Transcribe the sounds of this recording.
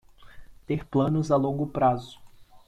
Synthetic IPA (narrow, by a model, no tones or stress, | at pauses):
t̪eɾplɐ̃nʊzalõŋɡʊpɾazʊ̥